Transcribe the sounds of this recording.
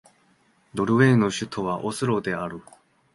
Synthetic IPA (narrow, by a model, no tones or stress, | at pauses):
d̪o̞ɾɯ̟βe̞no̞ɕɨt̪ʰo̞βaʔosɨɾo̞d̪e̞aɾɯ̟